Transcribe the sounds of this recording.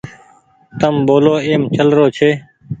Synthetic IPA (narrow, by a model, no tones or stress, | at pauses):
t̪əmboːloːeːmt͡ʃəlɾoːt͡ʃʰeː